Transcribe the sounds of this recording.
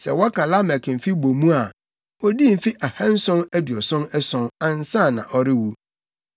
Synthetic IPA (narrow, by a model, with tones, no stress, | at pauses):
sɛ̰˨wɔ˦kʰa˨la˦mɛ˨km̩˨fi˦bo˨mũ˦a˨ | ɔ˦di˦m̩˨fi˦ʔa˨hã˦n̩˦sʊ̃˦nɛ˦dɪ˨ɔ˨sʊ̃˦nɛ˦sʊ̃˦nã˦n̩˦sã˦˨nã̰˨ʔɔ˨ɾɪ˦wu˦